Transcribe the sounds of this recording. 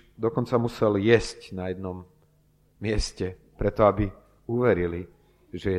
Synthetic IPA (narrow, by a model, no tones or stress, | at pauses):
d̪ɔkɔnt͡samusɛljɛscnajɛd̪nɔmː | ɪɛscɛ | pɾɛt̪ɔabi | uʋɛɾili | ʒɛjɛ